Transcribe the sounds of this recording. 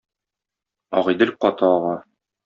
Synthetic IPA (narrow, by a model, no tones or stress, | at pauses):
ɒ̰ʁɤ̆jd̪ɘlʲqɒt̪ɤɒʁɑ